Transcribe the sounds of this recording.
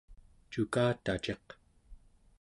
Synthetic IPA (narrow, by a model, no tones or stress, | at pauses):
t͡ʃukaːt̪at͡ʃe̞q